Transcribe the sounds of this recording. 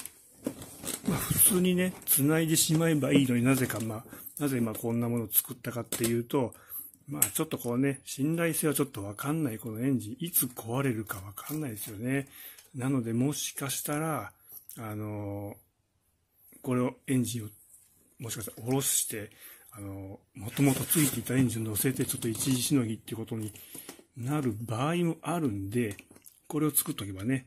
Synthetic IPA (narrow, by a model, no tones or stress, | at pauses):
maːɸɯ̟t͡sɨːɲ̟ine̞t͡sɨnaid̪e̞ɕimae̞baiːno̞ɲ̟inaze̞kamaːnazemakõ̞nːamo̞no̞t͡sɨ̥kɯ̟t̪ːakat̪ːe̞jɯ̟ːt̪o̞ | maːt͡ɕo̞t̪ːo̞ko̞ne̞ɕĩnɾaise̞ːβat͡ɕo̞t̪ːo̞βakanːaiko̞no̞ẽ̞ɲ̟d͡ʑĩʔit͡sɨkʰo̞βaɾe̞ɾɯ̟kaβakʰanːaid̪esɨjo̞ne̞nano̞d̪e̞mo̞ɕi̥kaɕi̥t̪aɾaː | no̞ | ko̞ɾe̞o̞ẽ̞ɲ̟d͡ʑĩɰ̃o | moɕi̥kaɕit̪aɾaoɾo̞ɕi̥ɕi̥t̪e̞ | ano̞ | mo̞t̪o̞mo̞t̪o̞t͡sɨit̪e̞it̪ːaẽ̞ɲ̟d͡ʑĩnono̞se̞t̪et͡ɕo̞t̪ːo̞it͡ɕiʑiɕino̞ɡʲit̪ːeiɯ̟ko̞t̪o̞ɲ̟inaɾɯ̟baːimo̞ʔaɾɯ̟̃nd̪e̞ | ko̞ɾe̞o̞t͡sɨ̥kɯt̪ːaːok̬e̞bane̞